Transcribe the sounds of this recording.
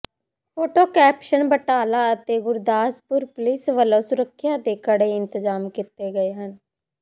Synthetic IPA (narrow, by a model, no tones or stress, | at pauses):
pʰoːʈoːkɛːpʃənbəʈaːlaːət̪eːɡʊɾd̪aːspʊɾplɪsʋəlõːsʊɾəkʰːjaːd̪eːkəɽeːɪnt̪əzaːmkɪt̪eːɡəeːɦən